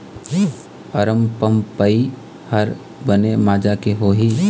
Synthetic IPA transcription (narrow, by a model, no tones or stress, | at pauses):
pɐɾəmpəmpəi | həɾ | bənemaːd͡ʒakeɦoːɦiː